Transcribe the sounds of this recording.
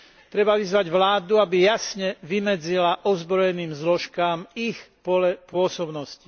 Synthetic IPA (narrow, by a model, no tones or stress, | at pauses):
t̪ɾɛbaʋizʋaɟʋlaːd̪uabijasɲɛʋimɛd͡zilaʔɔzbɾɔjɛniːmzlɔʃkaːmixpɔɛpʊɔsɔbnɔsci̥